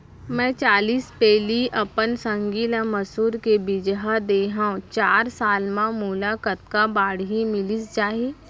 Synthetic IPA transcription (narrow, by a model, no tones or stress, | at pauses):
mɛ̃ːt͡ʃaːliːspɛːliʔɐpənsə̃ŋɡiːlãməsuːɾkebɪd͡ʒɦad̪eːɦãõt͡ʃaːɾsaːlmãmuːlakət̪̚kabaːɽɦimɪlisd͡ʒaːɦeː